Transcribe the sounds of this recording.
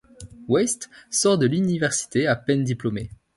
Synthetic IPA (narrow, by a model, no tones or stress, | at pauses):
wɛst̪sɔʁd̪əlynivɛʁsi̥t̪eapɛnd̪iplɔme